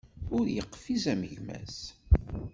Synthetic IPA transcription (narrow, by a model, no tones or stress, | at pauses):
ʊɾjəqːfizæməʝmæ̰s